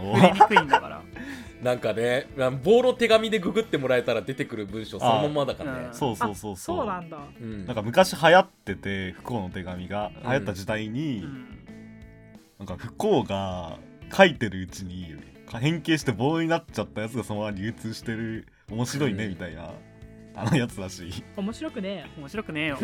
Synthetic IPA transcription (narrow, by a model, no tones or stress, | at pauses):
oːkɯĩnd̪aka̰ɾa̰ | nãŋkane̞ãmbo̞ːɾot̪e̞ɡamʲid̪e̞ɡɯ̟ɡɯ̟t̪ːe̞mo̞ɾae̞t̪aɾad̪e̞t̪e̞kɯ̟ɾɯ̟bɯ̟̃ɰ̃ɕo̞soamamːad̪akanḛso̞ːso̞ːso̞ːsooːnãnd̪ããŋkamɯ̟kaɕiɦajat̪ːe̞t̪e̞ɸɯ̟̥ko̞ːno̞t̪e̞ɡamʲiɡahajat̪ːad͡ʑid̪aiɲ̟i | nãŋkaɸɯ̟̥ko̞ːɡa | kʰait̪e̞ɾɯ̟ɯ̟t͡ɕiɲ̟i | kɦẽ̞ŋke̞ːɕ̬i̥t̪e̞bo̞ːɲ̟inat͡ɕat̪ːajat͡sɨɡasomoβaɾʲɯ̟ːt͡sɨːɕi̥t̪e̞ɾɯ̟ | o̞mo̞ɕiɾo̞ine̞mʲit̪aina̰ | a̰nojat͡sɨɾaɕiːomoɕiɾokɯ̟neomoɕiɾokɯ̟ne